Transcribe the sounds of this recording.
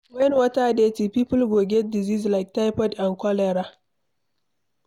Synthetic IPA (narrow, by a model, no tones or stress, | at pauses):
wɛnwɐtadeːtipiːpʊlɡoːɡʲedɪziːzlajk̚tajpɔdankɔlɛɾa